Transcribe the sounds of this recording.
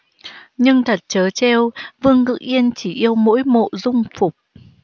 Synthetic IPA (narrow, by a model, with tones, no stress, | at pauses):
ɲɨ˧ŋt̪ʰə˨˩t̚t͡ɕəː˨˦t͡ɕe˧wvɨ˧əŋkɨ̰˧˥ʔʔi˧ənt͡ɕi˧˩ʔi˧əwmo̰˧˥jmo̰˧˨zʊ˧ŋ͡mfʊ˨˩k͡p̚